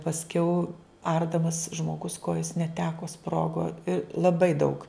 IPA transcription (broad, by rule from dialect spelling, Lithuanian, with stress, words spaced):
pɐsʲˈkʲɛʊ ˈɐrdɐmɐs ʒmoːˈɡʊs ˈkoːjoːs nʲɛˈtʲæːkoː ˈsproːɡoː ɪ lˠɐˈbɐɪ dɐʊk